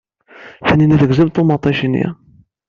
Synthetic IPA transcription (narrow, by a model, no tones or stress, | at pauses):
θænːiniθəɡzəmt̪ːomɑt̪ˤːɑʃinḭ